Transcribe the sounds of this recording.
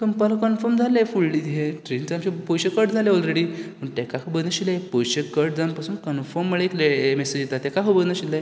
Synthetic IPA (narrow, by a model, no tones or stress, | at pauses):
t̪umpalãkɔnfəɾmd͡zʱalafulɖit̪ɦeʈɾint͡samɕepojɕəkəɾʈd͡zʱaleɔlɾeɽiːpəɳʈɛkakʰəbəd̪əɕilajepojɕəkəɾʈd͡zanpasuːnkənfəɾmːəɭeeklemesed͡ʑjet̪at̪ɛkakʰəbəd̪nəɕilaj